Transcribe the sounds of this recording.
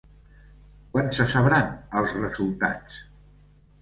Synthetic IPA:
kwansəsəβɾanəlˠzrəzulˠt̪a̰t͡s

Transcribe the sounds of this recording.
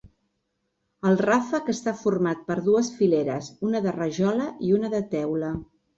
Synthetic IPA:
əlˠrafəkəst̪afurmat̪̚pəɾðuəsfileɾəzunəðərəʒɔləiunəðət̪ɛwlə

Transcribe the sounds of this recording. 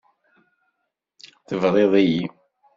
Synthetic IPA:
θəvɾˤeðˤiji

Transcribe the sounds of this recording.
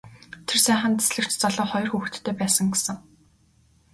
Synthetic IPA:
t̪ʰersæːχə̆nt̪e̥sɮɘ̆kt͡ɕt͡sɔɮɞːχɔj̆rxuːxt̪ʰːeːpæːsə̆ŋɡesɘ̆ŋ

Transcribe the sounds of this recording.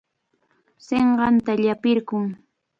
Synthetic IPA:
seɴɢɑnt̪aʎapɪɾkʊŋ

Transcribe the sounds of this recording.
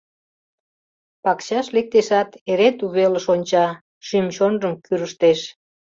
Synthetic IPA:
pɑkɕɑʃlek̚t̪eʃɑt̪eɾet̪uβeləʃonʲt͡ɕɑ | ʃymɕonrəmkyɾəʃt̪eʃ

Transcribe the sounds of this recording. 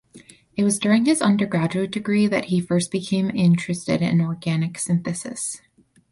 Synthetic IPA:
ɨt̚wʌzdʊɹɪ̃ŋɨzʌ̃ndə˞ɡɹæd͡ʒʉɨt̚d̥ɨɡɹiðɨ̰t̚hifɜ˞st̚b̥ɨkʰẽɪ̃mɪ̃nt͡ʃɹ̥ɨstɪ̰ɾɪ̰̃nɔɹɡænɨksɪ̃nθɨsɨ̰s

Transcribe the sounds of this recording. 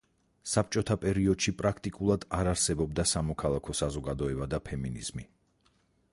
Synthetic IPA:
sap̚ʰt͡ʃʼɔt̪ʰapʼɛɾiɔd̪̥ʃipʼɾakʰt̪ʼikʼulˠad̪aɾaɾsɛbɔb̚d̪asamɔkʰalˠakʰɔsazɔɡad̪ɔɛbad̪apʰɛminiz̥mi

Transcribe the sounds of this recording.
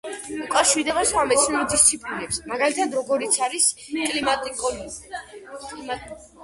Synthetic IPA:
ukʼafʃiɾd̪ɛbaswamɛt̪sʰnuud̪ist̪sʰipʼlinɛpsmaɡalit̪ʰad̪ɾɔɡɔɾit̪sʰaɾiskʼlimat̪ʼiŋkʼɔl

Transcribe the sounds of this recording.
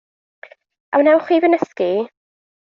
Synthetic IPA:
ʔa̰wnɛwχwiːvənəski

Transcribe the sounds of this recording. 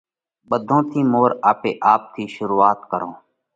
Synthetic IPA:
ɓəd̪ʱõːt̪ʰiːmoːɾaːpeːʔaːp̚t̪ʰiːʃʊɾuːaːt̪kəɾõː

